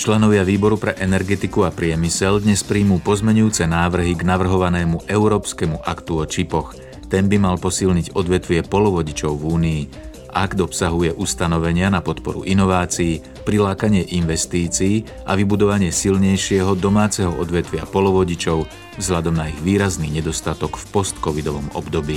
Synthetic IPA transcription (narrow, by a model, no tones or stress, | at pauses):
t͡ʃlɛnɔʋɪaʋiːbɔɾupɾɛʔɛnɛɾɡɛt̪ikuapɾɪɛmisɛʎd̪ɲɛspɾiːmuːpɔzmɛɲujuːt͡sɛnaːʋr̩ɦiɡnaʋr̩ɦɔʋanɛːmuʔɛʊɾɔːpskɛmuʔakt̪uɔt͡ʃipɔx | t̪ɛnbimalpɔsilɲiɟɔd̪ʋɛt̪ʋɪɛpɔlɔʋɔɟit͡ʃɔʊvuːniː | ʔa̰ɡd̪ɔpsaɦujɛʔust̪anɔʋɛɲɪanapɔt̪pɔɾṵʔinɔʋaːt͡siː | pɾilaːkaɲɪɛʔinʋɛst̪iːt͡siː | ʔa̰ʋibud̪ɔʋaɲɪɛsilɲɛjʃɪɛɦɔd̪ɔmaːt͡sɛɦɔʔɔd̪ʋɛt̪ʋɪa̰pɔlɔʋɔɟit͡ʃɔʊ | vzɦlʎad̪ɔmnaiɣʋiːɾazniɲɛd̪ɔst̪at̪ɔkfpɔst̪kɔʋid̪ɔʋɔmɔ̰bd̪ɔbiː